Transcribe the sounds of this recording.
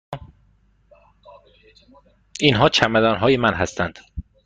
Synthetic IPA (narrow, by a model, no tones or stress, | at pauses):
inɦɒːt͡ʃʰæmæd̪ɒːnɦɒːjemænɦæst̪ænd̪̥